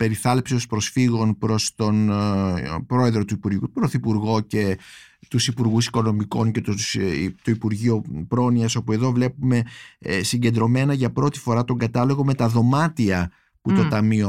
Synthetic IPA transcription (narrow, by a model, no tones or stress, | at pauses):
pe̞ɾiθɐlepsio̞spɾo̞sfiɣo̞npɾo̞st̪o̞n | pɾo̞e̞ðɾot̪uipuɾpɾo̞θipuɾɣo̞ce̞ | t̪usipuɾɣusi̥ko̞no̞miko̞ŋce̞t̪ost̪oipuɾʝio̞pɾo̞niɐso̞pue̞ðovle̞pume̞siɲɟe̞nd̪ɾo̞me̞nɐʝɐpɾo̞t̪i̥fo̞ɾɐt̪o̞ŋɡɐt̪ɐlo̞ɣo̞me̞t̪ɐðo̞mɐt̪iɐ | put̪o̞t̪ɐmio̞